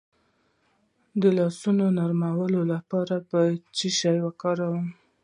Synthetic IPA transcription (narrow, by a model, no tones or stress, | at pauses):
d̪əlɑsunonaɾmawəlolapɑɾapət͡ʃiʃɑjwəkɑɾawəm